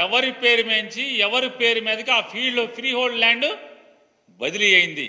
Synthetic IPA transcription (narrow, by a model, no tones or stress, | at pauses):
ɛʋɐɾipeːɾumeɲt͡ʃiɛʋɐɾipe̞ːɾumɛːd̪ɐkiaːpʰiːɖpʰɾiːɦoːɭɖlaːɳɖ | bɐd̪iliɐjind̪i